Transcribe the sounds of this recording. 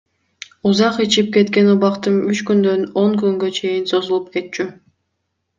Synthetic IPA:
uzɑqit͡ʃip̚ke̞t̪ke̞nuβɑqt̪ɯnyt͡ʃkynd̪ø̞no̞ŋkyŋɡø̞t͡ʃʰe̞jinso̞zulˠup̚ke̞t̪̚t͡ʃy

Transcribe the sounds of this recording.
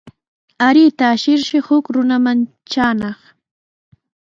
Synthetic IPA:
aɾɪt̪aːʃɪɾʃɪhʊkɾʊnaman | t͡ʃaːnɑχ

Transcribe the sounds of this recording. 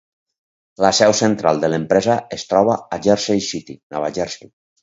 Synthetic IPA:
lasɛwsent̪ɾalˠd̪elempɾɛzaest̪ɾɔβ̞aːd͡ʒɛɾsejsit̪inaβaʒɛɾsi

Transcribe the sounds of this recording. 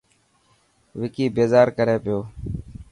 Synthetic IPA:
ʋɪkiːbeːzaːɾkəɾeːpɪjoː

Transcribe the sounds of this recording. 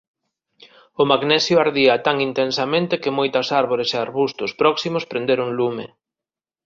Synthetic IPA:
ʊmaɡnɛsjʊaɾðiɐt̪aŋint̪ensɐmẽnt̪ɪkɪmojt̪ɐsaɾβoɾeseaɾβust̪ʊspɾɔksimʊspɾend̪eɾʊŋlumḛ

